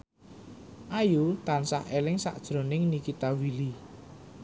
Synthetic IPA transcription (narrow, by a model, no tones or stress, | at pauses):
ʔajut̪ansahelɪŋsa̰ʔd̥ʒ̥ɾo̤nɪŋnikit̪awili